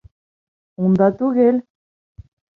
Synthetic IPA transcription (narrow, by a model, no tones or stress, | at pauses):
ũnd̪at̪uɣel